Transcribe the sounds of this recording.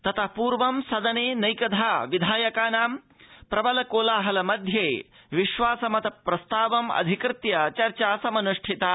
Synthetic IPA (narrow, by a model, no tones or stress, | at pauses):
t̪ɐt̪ʰɐpuːɾʋɐmsɐd̪ɐneːnɐjkɐd̪ʱaːʋid̪ʱaːjɐkaːnaːm | pɾɐbɐlɐkoːlaːɦɐlɐmɐd̪ʱjeː | ʋiʃʋaːsɐmɐt̪ɐpɾɐst̪aːʋɐmɐ̰d̪ʱikɾɪt̪jɐt͡ʃɐɾt͡ʃaːsɐmɐnuʂʈʰit̪aː